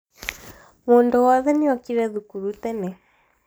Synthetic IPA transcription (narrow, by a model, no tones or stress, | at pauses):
mundɔwaðɛniɔkiɾɛðukuɾut̪ɛnɛ